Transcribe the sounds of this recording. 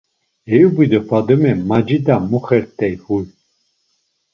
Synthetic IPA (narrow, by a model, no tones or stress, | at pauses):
ɛjubid̪ɛfad̪əmɛmad͡ʒid̪amuχɛɾt̪ʰʼːɛjhuj